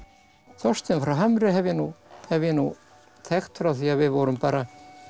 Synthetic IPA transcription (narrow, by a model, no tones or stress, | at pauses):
θɔ̥st̪ɪnfɾawɦamɾɪɦɛvjɛnuhɛvjɛnu | t̪ʰɛxt̪fɾawθiaðvɪðvɔɾʏmpaːɾa